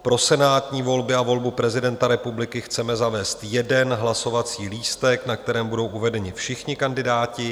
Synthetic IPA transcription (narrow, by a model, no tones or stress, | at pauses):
pɾo̞sɛnaːt̪ɲiːvo̞lbɪavo̞lbupɾɛzɪdɛnt̪aɾɛpublɪkɪxt͡sɛmɛzavɛːst̪jɛdɛnɦlaso̞vat͡siːliːst̪ɛknak̚t̪ɛɾɛːmbudo̞wʔuvɛdɛɲɪfʃɪxɲɪkandɪdaːcɪ